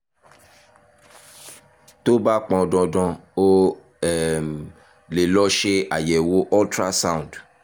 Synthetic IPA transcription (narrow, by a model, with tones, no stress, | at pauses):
to˦ba˦k͡pɔ̃˧dɔ̃˧dɔ̃˧o˦˨ | m | le˨lɔ˦ʃe˦a̰˨jɛ˨wo˦ʔɔ˦ltɾa˦sã˦ũ˨d